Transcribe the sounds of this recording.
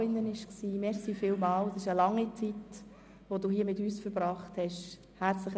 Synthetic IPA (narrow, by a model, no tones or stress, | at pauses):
ɪndənɪʃksiːmɛɾsiːfɪːlmɑːlsɪʃəlɑŋːit͡sit | ʋoduːhiːəmɪtyːsfəɾbɾɑːχthɛʃ | hæɾt͡sləχ